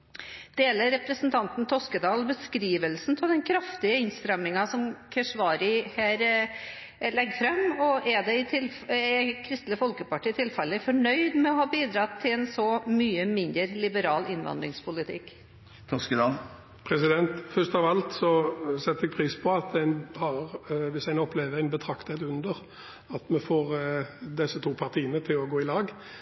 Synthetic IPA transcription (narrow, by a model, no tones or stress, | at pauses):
d̪̥eːləɾɾɛpɾəsn̩t̪ʰɑnt̪n̩t̪ʰɔskəd̪ɑːlbəskɾiːʋəlsnpʰɔld̪ɛnkʰɾɑft̪ɪəɪnst̪ɾɛmnɪŋɑsɔmkʰɛʂʋɑːɾɪhæːɾ | lɛɡːfɾɛmːɔʔɛd̪ɛɪt̪ʰɪl | ɛkʰɾɪst̪ləfɔlkəpɑʈiːɪt̪ʰɪlfɛlːəfɔɳœʏd̪mɛɔhɑːbiːd̪ɾɑt̪ʰːɪlɛnsɔmyːəmɪnd̪əɾlɪbəɾɑːlɪnʋɑ̰nd̪ɾɪŋspʰʊlɪt̪ʰɪ̰kː | t̪ʰɑskəd̪ɑ | pʰʁɛsɪd̪ɛnt̪fœst̪ɑʋɑlt̪sɔsɛt̪ːɛɡ̚pʰʁiːspʰɔɑt̪æɪnhɑʁʋɪsæɪnɔpleːʋəæɪnbət̪ʰɾɑkt̪ət̪ʉnd̪əʁ | ɑt̪mɛfoːʁd̪ɛsːət̪ʰuːpʰɑʁt̪ʰiːənət̪ʰɪlɔɡoːɪlɑːɡ